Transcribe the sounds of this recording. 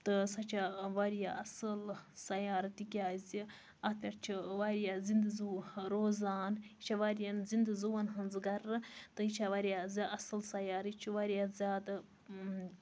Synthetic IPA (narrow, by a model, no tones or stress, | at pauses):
t̪ɨsɐt͡ʃʰaʋaːɾjaʔɐsɨlsɐjaːɾt̪ikʲaːzi | ɐt̪ʲɐɾt͡ʃʰiʋaːɾjaːzind̪ɨzuɾoːzaːnit͡ʃʰaʋaːɾjɐnzind̪ɨzuʋɐnɦɐnzɡɐɾɨt̪ɨit͡ʃʰaʋaːɾijaːzʲɐsɨlsɐjaːɾit͡ʃʰiʋaːɾijaːzʲjaːd̪a